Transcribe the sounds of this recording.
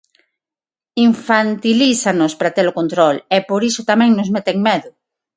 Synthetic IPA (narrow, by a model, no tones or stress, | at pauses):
iɱfant̪ilisanospɾat̪elokont̪ɾolepoɾisʊt̪amɛ̃ŋnʊzmet̪eŋmeðʊ